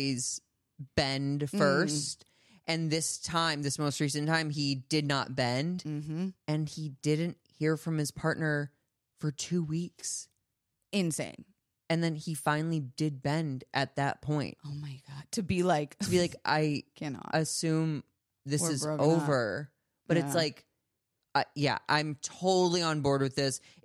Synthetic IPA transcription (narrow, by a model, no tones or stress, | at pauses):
z̥ | b̥ɛ̃nd̥fɜ˞st | ʔɨ̃nðɪstʰãɪ̃mðɪsmoʊst̚ɹisɨ̃ntʰãɪ̃midɨdⁿnə̰t̚b̥ɛ̃nd̩ | ɨ̃nidɪdⁿn̩t̚hiɹfɹʌ̃mɨz̥pʰɑɹtⁿnə˞ | fə˞tʰʉwiks | ɪ̃nsḛ̃ɪ̃m | ɨ̃nðɨ̃nifãɪ̃nl̩ˠidɪd̚bɛ̃ndʔɨt̪̚ðɨ̰t̚pʰɔ̃ɪ̃nt̚oʊmaɪɡ̥ɑd̥̚tʰɨbilaɪktʰəbilaɪkʔa̰ɪkʰæn̰ʔɨsʉ̃m | ðɪsɨzoʊvə˞ | b̥ʌɾɨtslaɪk | ajæ̰ʔã̰ɪ̃mtʰoʊɾl̩ˠiə̃nbɔɹd̚wɨðɪs